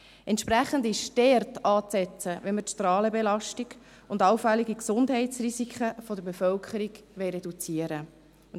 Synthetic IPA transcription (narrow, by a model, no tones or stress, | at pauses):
ʔɛntʃpɾæχəndɪʃtɛrtɑːt͡sɛt͡səʋɛnmətʃtɾɑːləbelɑʃtiɡ | ʊndɑwfɛliɡiksʊndɦɛɪtt͡srisikʰχəfɔd̪əɾbefœlkʰəɾiɡʋɛɪɾɛdut͡siəɾə